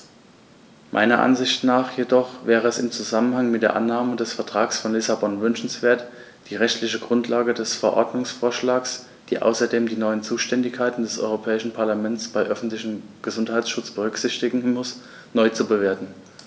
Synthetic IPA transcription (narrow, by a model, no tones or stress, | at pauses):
mʔa̰ɪnɐ̰ʔa̰nzɪçtnaːχjedɔχvɛːʁəɛsɪmt͡suzamənhaŋmɪt̚d̥eːɐʔanːaːmədɛsfɛɐtʁ̥aːksfɔnlɪsabɔnvʏnʃn̩sv̥eːɐt | d̥iːʁɛçtlɪçəɡʁʊntʰlaːɡədɛsfɛɐʔɔɐdnʊŋsfoːɐʃlaːks | d̥iːʔa̰ʊsɐdeːmdiːnɔʏənt͡suːʃtɛndɪçkʰːaɪtn̩dɛsʔɔ̰ʏʁopʰɛːɪʃn̩pʰaɐlamɛnt͡sb̥aɪʔœfn̩tlɪçəmɡ̥əzʊnthaɪt͡ssʃʊt͡sb̥əʁ̞ʏkz̥ɪçtɪɡŋ̩mʊs | nɔʏt͡subəveːɐtn̩